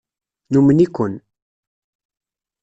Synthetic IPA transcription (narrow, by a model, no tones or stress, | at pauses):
numənikʷʊn